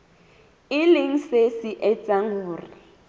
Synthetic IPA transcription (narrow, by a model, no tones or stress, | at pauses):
ɪlɪŋ̩sesɪʔɛt͡sʼaŋʊːri